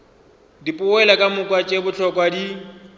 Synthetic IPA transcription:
dipʼʊɛlakʼamʊkʼwat͡ʃʼebʊt͡ɬʰɔkʼwadi

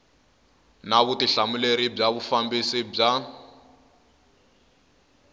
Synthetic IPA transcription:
naβutiɬamuleɾib͡ʐaβufambisib͡ʐa

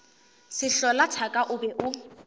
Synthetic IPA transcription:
sɪɬɔlatʰakʼaʔʊbɛʔʊ

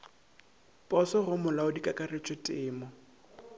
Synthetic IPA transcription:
pʼɔsɔɣʊmʊlaʊdikʼakʼaret͡ʃʼɔtʼɪːmɔ

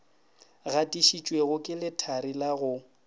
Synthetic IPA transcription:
ɣatʼiʃit͡ʃʼweɣʊkʼɪlɪtʰaɾilaɣʊ

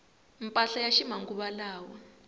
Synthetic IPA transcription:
mpʼaɬajaʃimaŋɡuɓalaːwɔ

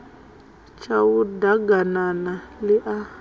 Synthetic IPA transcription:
t͡ʃʰawudaɡananalɪʔa

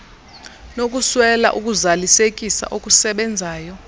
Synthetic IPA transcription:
nokʼuswɛla̰ʔuk̬ʼuzalisekʼisa̰ʔokʼusɛɓɛnd͡zʱaːjɔ

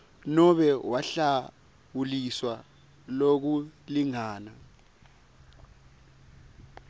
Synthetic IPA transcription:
nɔɓɛwaɬa | wuliswa | lok̬uliŋaːna

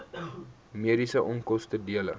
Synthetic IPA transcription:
miəɾisəʔɔŋkɔstədiələ̰

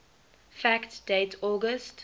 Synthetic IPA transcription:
fæktd̥eɪtʰɔɡəst

